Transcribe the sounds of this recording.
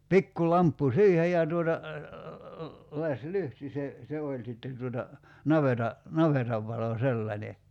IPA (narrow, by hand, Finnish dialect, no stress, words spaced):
pikːu lɑmpːu siːhej jɑ tuotɑ lɑslyhti se se olʲ sitːen̞ tuotɑ nɑʋetɑ nɑʋetɑʋ ʋɑlo selːɑnʲe